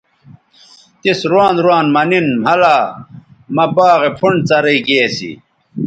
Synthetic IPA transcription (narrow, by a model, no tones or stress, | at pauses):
t̪isɾwaːnd̪ɾwaːnmɐninhɐlaː | mɐbaːɣepʰuɳt͡sɐɾɐiɡeːsḭ